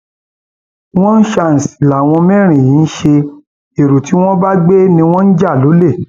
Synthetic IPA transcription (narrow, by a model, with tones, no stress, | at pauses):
w̃ɔ̃˦n̩˦ʃa˧n̩˨si̥˨la˨w̃ɔ̃˧mɛ̃˦˨ɾ̃ĩ˨jĩ˨˦n̩˦ʃe˧ | e˨ɾu˨ti˨˦w̃ɔ̃˦ba˦ɡ͡be˦nĩ˧w̃ɔ̃˦n̩˦d͡ʒa˦˨lo˨˦le˦˨